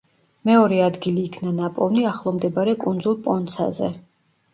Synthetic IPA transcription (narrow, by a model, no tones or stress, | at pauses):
mɛɔɾɛad̪ɡiliːkʰnanapʼɔvniaχlˠɔmd̪ɛbaɾɛkʼund̪zulˠpʼɔnt̪sʰa̰zɛ̰